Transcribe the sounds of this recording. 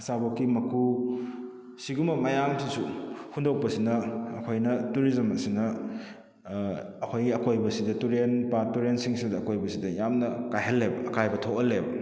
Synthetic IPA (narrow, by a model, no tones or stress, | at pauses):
ɐsabɐkːimɐku | siɡumɐmɐjamtʰisuhundɐw̚pɐsinɐːkʰojnɐtuɾizɐmɐsinɐ | ɐkʰojɡiɐkojbɐsidɐtuɾenpatuɾensiŋsidɐːkojbɐsidɐjamnɐkajɦɐlːebɐɐkajbɐtʰokɐlebɐ